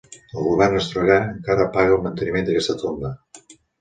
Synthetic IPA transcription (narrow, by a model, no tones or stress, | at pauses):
əlˠɣuβɛrnəzt̪ɾoɣaəŋkaɾəːpaɣəulˠmənt̪ənimend̪əkɛst̪ət̪ond̪ə